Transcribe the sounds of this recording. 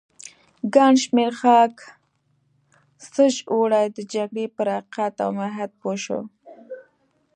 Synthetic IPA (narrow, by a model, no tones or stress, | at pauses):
ɡɑɳʃmeɾxɑk | səʒoɽajd̪əd͡ʒaɡɽepəɾaqat̪a̰wmaɦat̪̚poʃo̰